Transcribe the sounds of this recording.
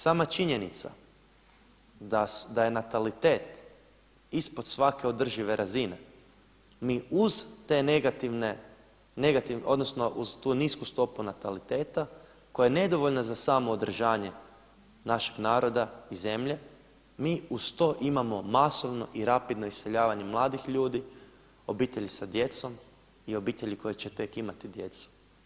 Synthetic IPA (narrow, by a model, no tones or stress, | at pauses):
saːmat͡ʃiɲenit̪sa̰ | d̪ad̪aje̞nat̪alit̪e̞ːt̪ | ispo̞d̪̥sʋake̞o̞d̪r̩ʒiʋe̞ɾʔazine̞ | miːuzt̪eneɡat̪iʋne | ne̞ɡat̪iʋo̞d̪no̞sno̞ʔuz̥t̪uːniskust̪o̞punat̪alit̪eːt̪a | ko̞jajene̞d̪o̞ʋoʎnazasaːmo̞ːd̪r̩ʒaːɲe̞ | naʃi̥ɡnaːɾo̞d̪aize̞mʎe̞ | miːust̪o̞ʔimamo̞maso̞ʋno̞̰ʔiɾapid̪no̞ise̞ʎaːʋaɲe̞mlˠaːd̪ixʎuːd̪i | o̞biːt̪e̞ʎisad̪je̞t̪so̞m | io̞biːt̪e̞ʎiko̞jet͡ɕet̪e̞kimat̪id̪je̞t̪su̥